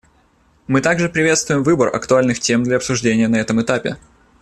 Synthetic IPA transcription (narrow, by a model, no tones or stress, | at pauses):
mɨt̪aɡʐɨpɾʲɪvʲe̞t̪st̪vʊjɪmvɨbərɐ̰kt̪ʊalʲnɨxtʲe̞md̪lʲɐɐpsʊʐdʲenʲɪjənɐɛt̪əmɨt̪apʲɪ̰